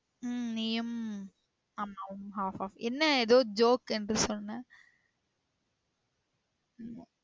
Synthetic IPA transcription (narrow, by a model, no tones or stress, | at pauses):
nijɐm | ɐmnɐʋɐmɦaːfɔːfɛnːɐɛðoːd͡ʒoːkɛndrɯsɔnːɐnaː | nː